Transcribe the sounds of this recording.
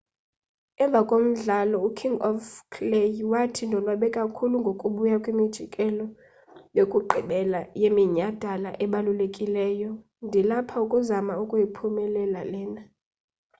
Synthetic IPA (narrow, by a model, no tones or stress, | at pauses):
ɛɱvʱakʼom̩ɮalɔukʰiŋɡɔfkʰlejwatʰindʱɔlwaɓɛkʼakʰuluŋɡʱokʼuɓujakʼwimid̥ʒ̥ʱikʼɛlɔ | jokʼuǃʱiɓɛlajemiɲad̥ʱalaʔɛɓalulekʼilɛːjɔ | ndʱilapʰaukʼuzamaukʼujipʰumɛlɛlalɛːna